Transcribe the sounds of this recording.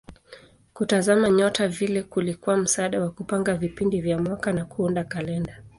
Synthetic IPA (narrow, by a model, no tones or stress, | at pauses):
kutazamaɲɔtavilɛkulikuam̩saaːɗawakupaŋɡavipindivjamwakanakuundakalɛnda